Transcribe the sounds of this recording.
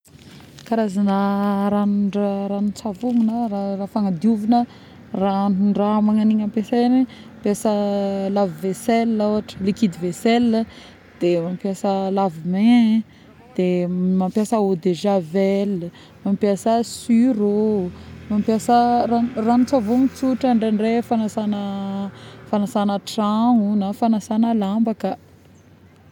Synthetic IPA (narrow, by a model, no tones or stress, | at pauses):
kaɾazanəɾanɳɖ͡ʐaɾanut͡savuŋunəɾarafaŋad̪iuvinə | ranuɳɖ͡ʐamaŋaniŋampeseni | mpjasəlaviveselawaʈ͡ʂə̥likid̪iveselə | d̪̥emampjasəlavime | d̪̥emampjasəod̪eʒavelə | mampjasəsyɾo | mampjasəraranut͡savomit͡suʈ͡ʂaɳɖ͡ʐeɳɖ͡ʐefanasanə | fanasanəʈ͡ʂaŋunafanasanəlambakə